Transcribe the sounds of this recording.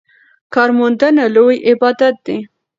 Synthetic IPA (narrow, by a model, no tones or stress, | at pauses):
kɑɾmʊnd̪ənalojɪbɑd̪at̪̚d̪̥e